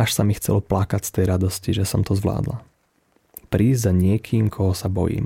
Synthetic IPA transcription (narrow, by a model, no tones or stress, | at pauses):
aʃsamixt͡sɛ̰lɔplakacst̪ɛjɾad̪ɔsciʒɛsɔmt̪ɔzʋla̰ːd̪la̰ | pɾiːzzaɲɪɛkʰiːmkʰɔɦɔsabɔ̰jḭːm